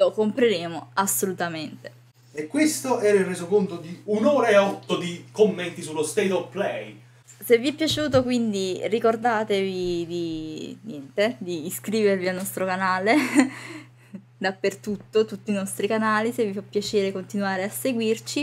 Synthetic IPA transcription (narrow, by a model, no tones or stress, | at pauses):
lokompɾeɾeːmoasːolut̪ament̪e | ekːwest̪oʔɛːɾairːeːzokont̪od̪iunoːɾaeɔt̪ːod̪ikomːent̪isulːost̪ejt̪ɔplɛj | sevːiɛpːjat͡ʃuːt̪okwind̪irikord̪aːt̪evid̪injɛnt̪ed̪iːskɾiːvervialnɔst̪ɾokanaːle | d̪apːert̪ut̪ːot̪ut̪ːiːnɔst̪ɾikanaːlisevːifapːjat͡ʃeːɾekont̪inwaːɾeasːeɡwirt͡ʃi